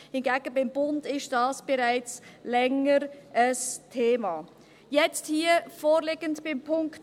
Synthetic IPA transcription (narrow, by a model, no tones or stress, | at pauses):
hɪnɡæːɡ̥əbɪmbʊndɪʃd̥ɑːsb̥ɛɾaɪt͡slɛŋəɾəstʰeːmɑː | jɛt͡sthiːəfoːɾlɪɡəndb̥ɪmpʰʊŋkt